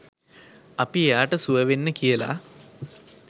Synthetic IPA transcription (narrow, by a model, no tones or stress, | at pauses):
ɐpijaːʈɐsuɐʋenːɨkijɐla̰